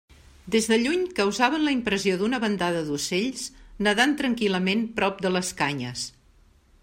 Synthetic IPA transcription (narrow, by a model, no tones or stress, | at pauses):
d̪ezðəʎuɲkəwzaβənləimpɾəzioðunəβənd̪aðəðuseʎznəðant̪ɾəŋkiləmenpɾɔp̚d̪ələskaɲə̰s